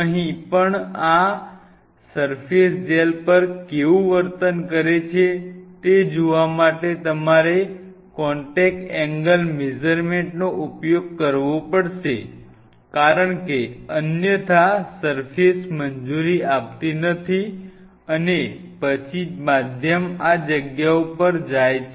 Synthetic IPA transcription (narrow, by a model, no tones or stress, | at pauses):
əɦĩpəɳa | səɾfesd͡ʒelpəɾkeʋũʋəɾt̪ənkəɾet͡ʃʰet̪ed͡ʒoʋamaʈet̪əmaɾe | kɔɳʈek̚ʈɛŋɡəlmed͡ʒəɾmeɳʈnoʔupjoɡ̚kəɾʋopəɽʃe | kaɾəɳkeənjət̪ʰasəɾfesmənd͡ʒuɾiap̚t̪inət̪ʰi | ənepət͡ʃʰimad̪ʱjəmad͡ʒəɡjaupəɾd͡ʒajt͡ʃʰ